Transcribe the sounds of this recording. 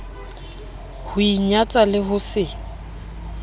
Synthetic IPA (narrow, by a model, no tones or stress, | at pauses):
hʊiɲat͡sʼalɪɦʊsɪ